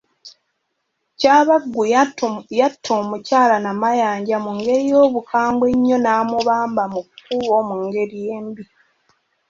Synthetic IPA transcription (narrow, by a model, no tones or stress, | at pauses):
caːβaɡːujatʰːoːmucaːlanamajaːɲɟamuŋɡe̞ɾijo̞ːβukʰaːmbwe̞ɲːo̞naːmuβaːmbamukkuβo̞ːmuŋɡe̞ɾije̞ːmbi